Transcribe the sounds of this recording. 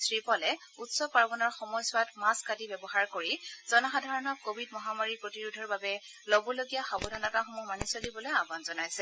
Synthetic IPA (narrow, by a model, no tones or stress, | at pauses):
sɹipɔlɛ | utsɔpaɹbɔnɔɹxɔmɔjsʊatmaskadibɛbɔxaɹkoɹiz̥ɔnɔxadʱaɹɔnɔkkobʱidmɔɦamaɹiɹpɹotiɹudʱɔɹbabɛ | lobɔloɡijaxabɔdʱanakaxɔmumanisolibɔlojabanzɔnajsɛ